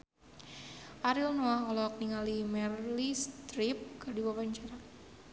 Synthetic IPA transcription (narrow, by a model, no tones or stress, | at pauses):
ʔaɾilnoakɔlɔkniŋalimɛrlist̪ɾip̚kadiwabaɲt͡ʃaɾa